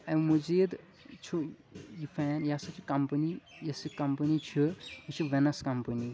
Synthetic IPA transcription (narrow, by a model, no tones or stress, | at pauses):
ɐmud͡ʒiːd̪ | t͡ʃʰujifɛːnjɐsɐt͡ʃʰikɐmpənijɐsikɐmpənit͡ʃʰujit͡ʃʰuʋenɐskɐmpəni